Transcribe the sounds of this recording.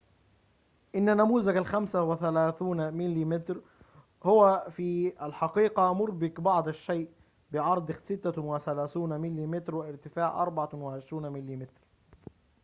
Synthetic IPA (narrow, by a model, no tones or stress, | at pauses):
ʔɪnːanæmuːzaɡalxamsawɪθælaːθuːnmɪlːimɪt̪ɾ | hʊwæfiːalħɑqiːqɑʔmʊɾˤbɪkbɑʕd̪ˤaʃːeːʔ | bɪʕɑɾˤd̪ˤɪsɪt̪ːawɪθælaːθuːnmɪlːimɪt̪ɾwɪʔɪɾt̪ɪfaːʕʔɑ̰ɾˤbɑʕawɪʕɪʃɾuːnmɪlːimɪt̪ɾ